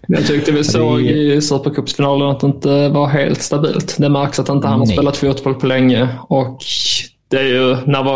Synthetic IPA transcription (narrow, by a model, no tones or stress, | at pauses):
jɑ̰ɡt̪ʰʏk̚t̪əvɪsoːɡɪsʉːpəɾkʰɵpːsfɪnɑːlənat̪d̪ɛɪnt̪əvaɾɦḛːlt̪st̪abḭːlt̪d̪ɛmæɾksat̪hɪnt̪əhanhɑɾspeːlat̪fjuːt̪bɔlpʰɔlɛŋːəɔk | d̪̥ɛæɾjɵnæɾv